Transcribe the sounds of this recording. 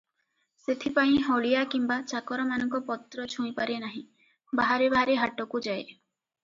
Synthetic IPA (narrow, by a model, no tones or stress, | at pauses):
set̪ʰipaĩɦɔɭijakimbat͡ʃakɔɾɔmanɔŋkɔpɔt̪ɾɔt͡ʃʰuĩpaɾenaɦĩ | baɦaɾebaɦaɾeɦaʈɔkud͡ʒae